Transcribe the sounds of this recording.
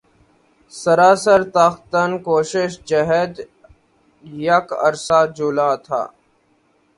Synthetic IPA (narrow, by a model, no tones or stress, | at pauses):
səɾaːsəɾt̪axt̪ənkoːʃɪʃd͡ʒəɦɛd̪ | jɐkə̰ɾsaːd͡ʒʊlaːt̪ʰa̰ː